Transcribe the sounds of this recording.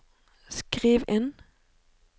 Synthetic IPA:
skʁiːʋɪn

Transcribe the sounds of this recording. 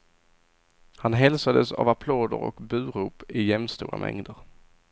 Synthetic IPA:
hanɦɛlsad̪əsa̰vapʰloːd̪ə̰ɾɔ̰kbʉ̟ːɾuːpɪjɛmst̪ṵːɾa̰mʔɛ̰ŋd̪əɾ

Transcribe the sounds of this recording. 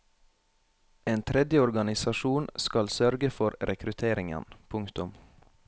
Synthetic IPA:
eːnt̪ʰɾɛd̪jəɔɾɡɑnɪsɑʃuːnskɑlsœɾɡəfɔɾɾʔɛkʰɾʉt̪ʰeːɾɪŋə̰npʰʊŋkt̪ʊm

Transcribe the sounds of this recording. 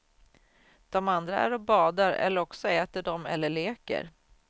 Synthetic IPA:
d̪̥ɔmand̪ɾaæ̰ɾɔbɑːd̪aɾɛ̰lːəɾɔksɔɛːt̪əɖɔmɛ̰lːəɭeːkə̰ɾ

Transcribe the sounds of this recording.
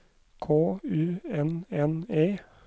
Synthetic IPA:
kʰoːʉːɛnɛneː

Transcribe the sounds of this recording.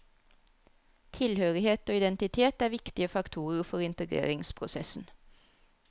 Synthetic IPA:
t̪ʰɪlhøːʁɪheːt̪oːɪd̪ɛnt̪ɪt̪ʰeːt̪æːʋɪkt̪ɪəfɑkt̪ʰuːʁəfɔʁɪnt̪əɡʁḛːʁɪŋspʰʁʊsɛsn̩

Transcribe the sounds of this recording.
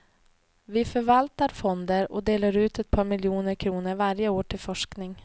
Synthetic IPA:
vɪfœɾvalt̪aɾfɔnd̪əɾɔ̰d̪eːlaɾʉ̟ːt̪ɛt̪̚pʰɑːɾmɪljuːnəɾkʰɾuːnəɾvaɾjəoːʈʰɪlfɔʂknɪŋ

